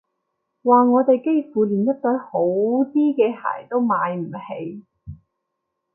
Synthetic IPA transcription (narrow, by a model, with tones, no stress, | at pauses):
waː˨ŋɔː˨˧t̪e˨jke˥jfuː˨liː˨˩njɐ˥k̚t̪ɔː˨˥ho˨˥wt̪iː˥kɛː˧ha̰ː˨˩jt̪o˥wmaː˨˧jm̩˨˩he˨˧j